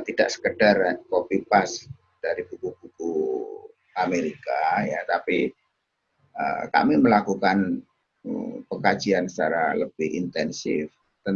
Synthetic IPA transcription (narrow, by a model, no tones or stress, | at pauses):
t̪idaʔsə̥kədarkopipas | d̥aɾib̥ukub̥uku | ameɾikajat̪api | ə̰ka̰miməlakukan | əpəkḁd͡ʒiansə̥t͡ʃaɾa̰ləb̥ɪhḭnt̪ɛnsɪ̰f | t̪ən